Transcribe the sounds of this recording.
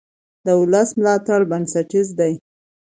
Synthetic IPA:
d̪əʊləsmlɑt̪aɽbansaʈizd̪aj

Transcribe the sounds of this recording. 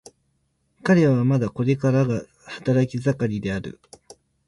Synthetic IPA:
kaɾe̞aβamad̪ako̞ɾe̞kaɾaɡa | hḁt̪aɾakʲizakaɾʲid̪e̞aɾɯ̟̰

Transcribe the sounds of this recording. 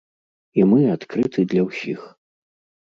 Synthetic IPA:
imɨat̪kɾɨt̪ʰɨd̪lʲɐwsʲix

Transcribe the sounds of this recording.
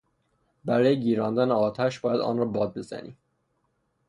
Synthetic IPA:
bæɾɒːjeɟiːɾɒːnd̪æneɒːt̪ʰæʃb̥ɒːjæd̪ɒ̰ːnrɒːbɒːd̪̚be̞z̥æ̰nḭː

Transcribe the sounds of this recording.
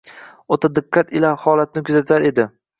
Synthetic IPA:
ot̪ʰad̪ɪqːat̪ɪlahɒlat̪̚nɪkʲʰʊzat̪ʰaɾe̞d̪ɪ

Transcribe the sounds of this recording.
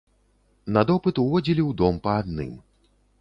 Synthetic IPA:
nɐd̪ɔpɨt̪uvɔd͡zʲilʲiwd̪ɔmpɐad̪̚nɨ̰m

